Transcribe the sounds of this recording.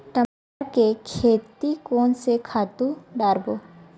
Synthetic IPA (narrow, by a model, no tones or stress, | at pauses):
ʈ̪ɐ | aɾkekʰeːt̪ikoːnsekʰaːt̪ũɖaːɾboː